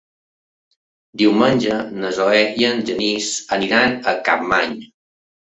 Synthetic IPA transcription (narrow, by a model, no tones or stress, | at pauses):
d̪iwmənʲd͡ʒənəzoɛiənʒənisəniɾanəka̰p̚maɲ